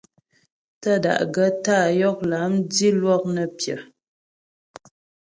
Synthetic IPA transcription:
tə˦da̰˨ʔɡə˦taː˦˨jɔ˦k̚la˨˦mdi˦lwɔ˦k̚nə˨pjə̰˨

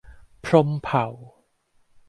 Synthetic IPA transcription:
pʰɾo˧˥mpʰa˨˩˦w

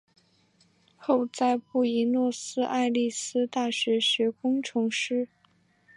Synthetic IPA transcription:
xo˥˧ʊt͡sa˥˧ɪpu˥˩i˧˥nwɔ˥˩sɹ̩˥ʔa̰˥˧ɪli˥˩sɹ̩˥t̪a˥˩ɕɥɛ˧˥ɕɥɛ˧˥kʊ˥ŋʈ͡ʂʰɤ˧˥ŋʂɻ̩˥

